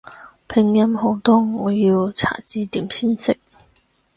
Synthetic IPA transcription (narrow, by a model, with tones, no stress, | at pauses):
pʰɪ˧ŋjɐ˥mho˨˥wt̪ɔː˥ŋɔː˨˧jiː˧wt͡sʰa̰ː˨˩t͡siː˨˥t̪iː˨˥msiː˥nsɪ˥k̚